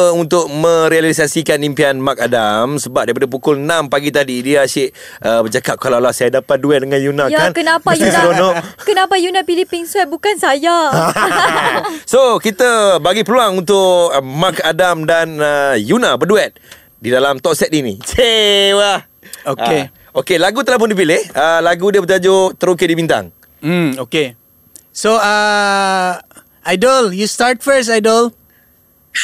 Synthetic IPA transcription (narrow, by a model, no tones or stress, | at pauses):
unt̪ʊʔ̚mə̃ɾialiis̬asikanimpianmakadamsəbap̚daɾip̬adap̬ukʊlnãmpaɡit̪adidiaʃɪʔ | ʔəbəd͡ʒakap̚kalalahsajadapat̪̚duɛt̪̚dəŋãnjunãjaankənapaisɾonnɔʔkənapajunapilipɪŋswɛt̚bukansaja | sokit̪əbaɡipəluaŋunt̪ʊʔmakadamdanəjunabəduɛt̪̚ | didalamt̪ɔʔsɛt̪inḭt͡ʃewa | oe | okelaɡut̪əlap̬ʊndip̬ilɪhəlaɡudiəbət̪ad͡ʒot̪əɾuk̬edibint̪a̰ŋ | m̩oke | soa | ʔajdəljustaɹt̚fəs̬ajdəl